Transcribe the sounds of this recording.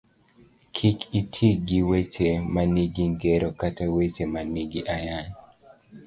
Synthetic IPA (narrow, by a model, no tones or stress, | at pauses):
kʰikʰitʰiɡiwet͡ʃemaniɡiŋɡeɾɔkatawet͡ʃemaniɡiʔajan